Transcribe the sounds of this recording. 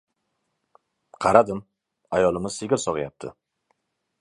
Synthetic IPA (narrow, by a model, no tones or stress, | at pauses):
qʰɑɾad̪ɪm | ajɒlˠɪmɪzseɡʲɪlsɒʁɪjap̚t̪ʰɪ̰